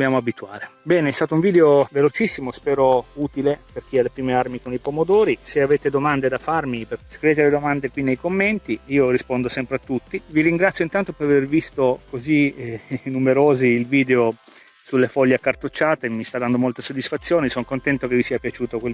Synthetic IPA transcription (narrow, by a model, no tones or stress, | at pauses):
d̪objaːmoabit̪uaːɾebɛːneɛst̪aːt̪ouɱviːd̪eovelot͡ʃisːimospɛːɾouːt̪ileperk̟ialːepɾiːmearmikonipomod̪oːɾiseaveːt̪ed̪omand̪ed̪afarmipeskɾiveːt̪̬eled̪omand̪ekwinːejkomːent̪iiːorispond̪osɛmpɾeat̪ːut̪ːiviɾiŋɡɾat̪sjoint̪ant̪opeɾavervist̪okozinːumeɾoːziːlviːd̪eo | sulːefɔʎːeakart̪ot͡ʃːaːt̪emist̪ad̪ːand̪omolt̪esod̪ːisfat̪sːjoːnisɔŋkont̪ɛnt̪ok̟evisiːapjat͡ʃuːt̪okwel